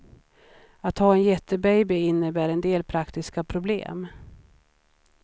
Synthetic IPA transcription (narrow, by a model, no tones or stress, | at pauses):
at̪hɑːɛnjɛt̪ːəbɛjbɪɪnːəbæːɾɛnd̪eːlpʰɾakt̪ɪskapʰɾʊblḛːm